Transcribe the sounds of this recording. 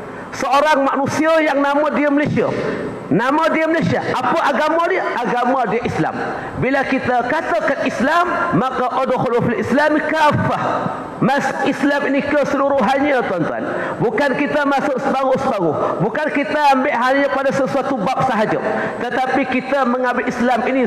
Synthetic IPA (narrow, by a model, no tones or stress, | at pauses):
səoɾaŋmaʔnusiəjaŋnamadiəməlesia | namadiəməlesiaʔapəʔaɡamadiəʔaɡamadiəʔisla̰m | bilakit̪akat̪akanislamːakaʔodoxolufalʔislamikafah | masʊ̥ʔislaminikəsəluɾʊhɦaɲət̪want̪ua̰n | bukankit̪amasʊʔsəbaɣʊhsəbaɣʊhbukankit̪aambɪʔɦaɲakpadasəsuat̪ubap̚səɦad͡ʒə̰ | t̪ət̪apikit̪aməŋambɪʔislamini